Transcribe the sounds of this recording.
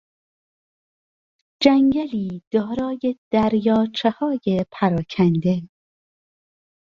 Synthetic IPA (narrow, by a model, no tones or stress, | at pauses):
d͡ʒæŋɟæliːd̪̥ɒːɾɒːjed̪̥æɾjɒːt͡ʃʰehɒːjepʰæɾɒːcʰænd̪e̞